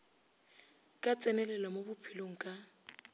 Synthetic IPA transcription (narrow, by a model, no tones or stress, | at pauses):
kʼat͡sʼɛnɛlɛlamobʊpʰiloŋ̩kʼa